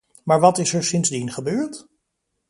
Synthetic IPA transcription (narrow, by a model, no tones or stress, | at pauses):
maːɹʋɑtɪsɛɹsɪnzdinχəbøːɹt